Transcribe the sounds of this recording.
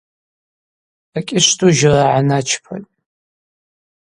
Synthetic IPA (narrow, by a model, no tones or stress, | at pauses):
akʲʼɪʂtʰʼuʒraʕanat͡ʃʰpʰa̰tʼ